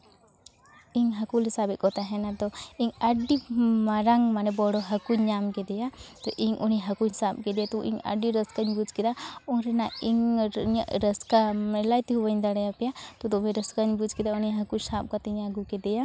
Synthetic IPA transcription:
iŋɦakulɛsabɛʔ̪̚kɔt̪aɦɛnad̪ɔiŋaɖimaɾaŋmanɛbɔɽɔɦakuɲamkɛd̪ɛjat̪ɔʔiŋʔuniɦakuhsap̚kɛd̪ɛjat̪ɔʔḭŋa̰ɖiɾəskaɲbud͡ʒkɛd̪aɔnɾɛnaiŋɲəʔɾəskamɛlajt̪iɦubəɲd̪aɽajapɛjat̪ɔd̪ɔbɛɾəskaɲbud͡ʒkɛd̪auniɦakusap̚kat̪iɲaɡukɛd̪ɛja

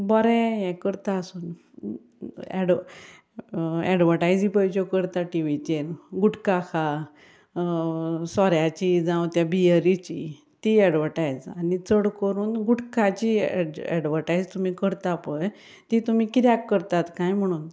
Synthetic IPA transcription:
bɔɾɛjɛ̃kəɾt̪aəsuːn | ɛ̰ɖ | ɛɖʋəʈajd͡zipəjd͡ʑɔkəɾt̪aʈiʋit͡ɕeɾɡuʈkakʰa | sɔɾjat͡ɕid͡zãwt̪jabijəɾit͡ɕi | t̪iɛɽʋəɾʈajd͡zanit͡səɽkəɾuːnɡuʈkat͡ɕiɛ̰ɖʋəɾʈajd͡zt̪um̤ikəɾt̪apəj | t̪it̪um̤ikɾjakːəɾt̪at̪kãjm̤əɽ̃uːn

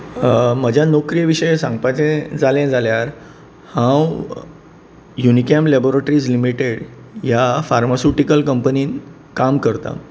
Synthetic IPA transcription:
məd͡ʑʱjanokɾijəʋiɕəjsãŋɡpajt͡sẽd͡zalẽd͡zaljaɾ | hãw | junikamlɛboɾeʈɾiːd͡zlimiʈeɽ | jafaɾmasuʈikəlkəmpəniːn | kamkəɾt̪a̰

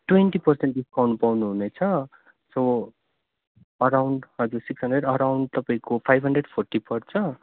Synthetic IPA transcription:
ʈwenʈipʌrsenʈ̚iskʰawnupawnuɦunet͡sʰʌ | so | ʌɾawɳɖɦʌd͡zuɾsiksɦʌnɖreɖʌɾawɳɖ̚t̪ʌpaĩkopʰajbʱɦʌɳɖreɖpʰorʈipʌrt͡sʰʌ

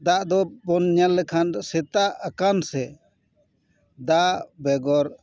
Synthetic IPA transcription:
d̪aʔd̪ɔbɔnɲalːɛkʰansɛt̪aʔːkansɛ | d̪aʔbɛɡɔɾ

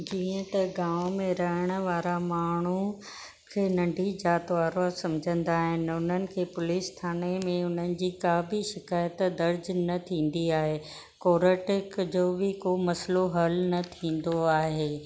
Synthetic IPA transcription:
d͡ʑiːə̃t̪ɐɡãːʋmẽɾɐɦəɽ̃ə̆ʋaːɾamaːɳ̤u | kʰeːnɐ̃ɳɖʱid͡ʑaːt̪ʋaːɾasɐ̃md͡ʑʱə̃nd̪aːɦɪn̆ʊn̤ənɪ̆kʰeːpʊlist̪ʰaːnemẽʊn̤ənɪ̆d͡ʑiːkaːbiʃɪkaːjət̪d̪ɐɾd͡ʑnɐt̪ʰĩːnd̪iaːɦeː | koːɾəʈɪkd͡ʑoːbɪkoːmɐsloɦɐlnɐt̪ʰĩːn̆d̪oaːɦeː

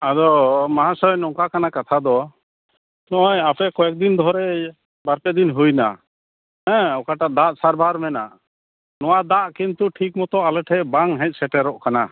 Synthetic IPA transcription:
ad̪ɔmaɦãsɔjnɔŋkakanakat̪ʰad̪ɔ | nɔʔɔjapɛkɔɛk̚d̪ind̪ʱɔɾɛ | baɾpɛd̪inɦujna̰ | hɛ̃ɔkaʈaʔd̪aʔsaɾbʱaɾmɛna̰ʔ | nɔwad̪aʔkint̪uʈʰik̚mɔt̪ɔʔalɛʈʰɛbaŋɦɛ̃c̚ˀsɛʈɛɾɔʔkana

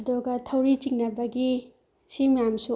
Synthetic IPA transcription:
doɡatʰawɾit͡ʃiŋ̚nabɐɡi | simjamsu

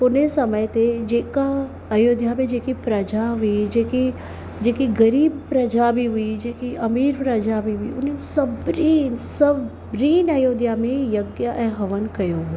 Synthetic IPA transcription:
pʊnesɐməjt̪ed͡ʒeːka | ɐjoːd̪jamẽd͡ʒeːkipɾɐd͡ʒaɦʊid͡ʒeːki | d͡ʒeːkiɡɐɾiːbpɾɐd͡ʒabʱiɦʊid͡ʒeːkiɐmiːɾpɾɐd͡ʒabʱiɦʊḭʊnənsɐbɾiːnsɐb | bɾiːnɐjoːd̪jamẽjɐɡjaʔɛ̃ːɦɐʋənkɐjoɦʊe

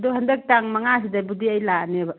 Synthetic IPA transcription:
duɦɐndek̚taŋmɐŋas̬idabudiɐjlanebɐ

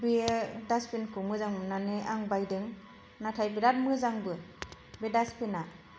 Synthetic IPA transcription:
bedaspinkʰɯmɯzaŋmɯnanɯʔaŋbajdɯŋ | natʰajbidat̚mɯzaŋbɯ | bedaspʰina

